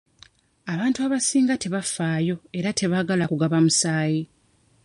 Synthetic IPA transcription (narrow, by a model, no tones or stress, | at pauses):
aβaːntuaβasiːŋɡate̞βafːaːjo̞e̞ɾatʰe̞βaːɡalakuɡaβamusaːji